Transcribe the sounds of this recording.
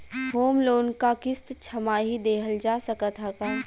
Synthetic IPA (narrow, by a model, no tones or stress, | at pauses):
ɦoːmloːnkakɪst̪t͡ʃʰɐmaːɦid̪eːɦəld͡ʒaːsɐkət̪ɦakaː